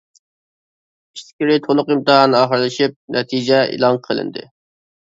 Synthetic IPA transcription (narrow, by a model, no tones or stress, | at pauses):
skʲiɾɪt̪ʰolˠʊqimt̪ɨɦɑnɨɑːχəɾlˠɨʃip̚nʔɛt̪ʰid͡ʒɛḭlˠɑŋqʰəlˠɨ̰nd̪ɨ̰